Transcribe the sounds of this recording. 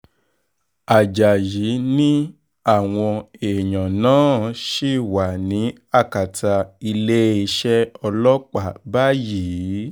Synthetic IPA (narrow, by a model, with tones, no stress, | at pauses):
a˨d͡ʒa˨ji˨˦nĩ˦ | a˦˨w̃ɔ̃˧e˨ɲã˨nãː˦ʃi˦˨wa˨nĩ˨˦ | a˦˨ka˨ta˧i˧le˦e˧ʃɛ˦ɔ˧lɔ˦k͡pa˦˨ba˦jiː˨˦